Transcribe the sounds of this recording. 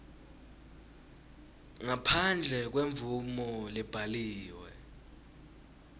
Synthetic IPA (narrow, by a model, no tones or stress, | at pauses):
ŋapʰand͡ɮʱɛk̬weɱb̪vumɔlib̥ʱaliːwɛ